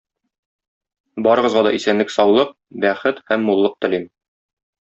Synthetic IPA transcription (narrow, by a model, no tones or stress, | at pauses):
bɒɾɤ̆ʁɤ̆zʁɑd̪ɒʔisænlɘksɒwlˠɤq̚ | bæχɘt̪hæmːulˠːɤq̚t̪ɘ̆lim